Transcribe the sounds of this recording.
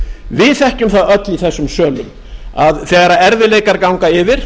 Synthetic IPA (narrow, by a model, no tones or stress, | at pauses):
vɪðθɛhcʏmθaðœt̪liθɛsːʏmsœːlʏm | aðθɛːɣaɾaɛɾvɪleːjkaɾkawŋkaɪvɪɾ̥